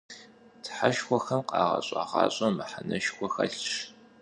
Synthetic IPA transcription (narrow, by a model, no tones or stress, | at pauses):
tʰħaʃxʷɔxɐmqɑːʁɐ̰ɕʼaːʁɑ̰ːɕʼɐmɨħanɐʃxʷɔxɐɬʂ